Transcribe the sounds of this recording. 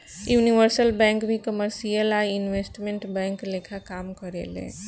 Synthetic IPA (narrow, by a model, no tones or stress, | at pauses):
juniʋəɾsəlbɛ̃ŋkbĩkəməɾsijəlainʋesʈmẽɳʈbɛ̃ŋklekʰakamkəɾḛlḛ̃